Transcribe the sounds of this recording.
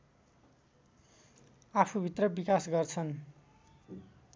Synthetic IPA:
apʰubʱit̪rʌbikasɡʌrt͡sʰʌn

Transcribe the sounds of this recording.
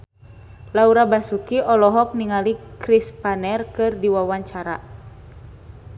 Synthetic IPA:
lauɾabasukiʔɔlɔɦɔk̚niŋalikɾispanɛrkɨrdiwawaɲt͡ʃaɾa̰

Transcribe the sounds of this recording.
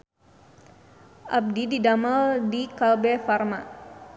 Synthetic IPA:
ʔab̚dididaməldikalbɛfarma

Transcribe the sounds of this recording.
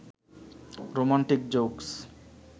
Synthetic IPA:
ɾomaɳʈik̚d͡ʑoks

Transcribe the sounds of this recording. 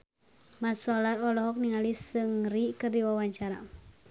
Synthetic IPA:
masɔlaɾɔlɔɦɔk̚niŋalisɨŋrikɨrdiwawaɲt͡ʃaɾa̰

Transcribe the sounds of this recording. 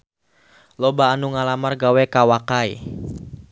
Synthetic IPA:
lobaːnuŋalamarɡawɛkawakai

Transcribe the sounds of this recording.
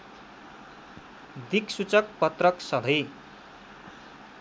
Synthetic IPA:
d̪ʱiksut͡sʌk̚pʌt̪rʌksʌlʱʌj

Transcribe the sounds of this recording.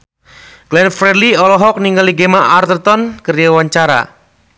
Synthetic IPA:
ɡ̥lɛnfɾɛliɔlɔɦɔk̚niŋɡaliɡemaʔart̪ərt̪ɔnkəɾjawaɲt͡ʃaɾa̰

